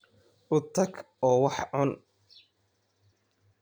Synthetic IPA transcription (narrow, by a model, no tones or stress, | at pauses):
ʔʊt̪ʰɐɡ | ɔːwɑħʕʊn